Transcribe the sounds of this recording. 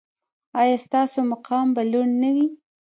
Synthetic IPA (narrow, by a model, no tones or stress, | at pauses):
ɑjɑst̪ɑsomaqʰɑmbaluɳnawi